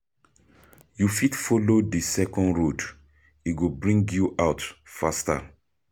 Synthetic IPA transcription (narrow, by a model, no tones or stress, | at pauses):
jufitfɔlodisɛkɔ̃ndɹod | iɡobɹĩŋɡjuʔawtfasta̰